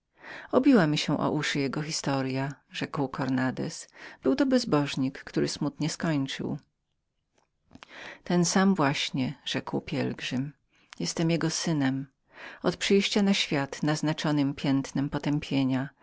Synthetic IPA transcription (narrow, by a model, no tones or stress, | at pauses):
ɔbʲiwamʲiɕɛ̃ʔɔ̰ʔuʂɘjɛɡɔxʲist̪ɔɾjaʐɛkwkɔɾnad̪ɛ̰sb̥ɘwt̪ɔbɛzbɔʐɲikːt̪uɾɘsmut̪ɲɛskɔɲt͡ʂɘ̰w | t̪ɛnsamvwaɕɲɛʐɛkwpʲjɛ̰lɡʐɘm | jɛst̪ɛmjɛɡɔsɘnɛm | ɔt̪pʂɘjɕt͡ɕanaɕfʲjat̪naznat͡ʂɔnɘmpʲjɛnt̪nɛmpɔt̪ɛmpʲʰjeɲa